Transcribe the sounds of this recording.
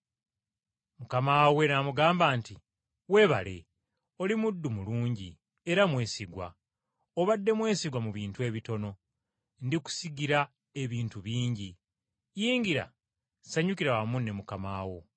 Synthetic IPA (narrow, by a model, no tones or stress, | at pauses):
mukamawe̞namuɡaːmbaːnti | we̞βa̰le̞̰ | o̞limudːumuluːɲɟi | eɾamwe̞ːsiɡwa̰ | oβadːe̞mwe̞ːsiɡwamuβiːntue̞ːβito̞no̞ | ndiku̥siɡiɾa | e̞βiːntuβiːɲɟi | jiːŋɡiɾa̰ | saɲukiɾawamunːe̞mukamaːwo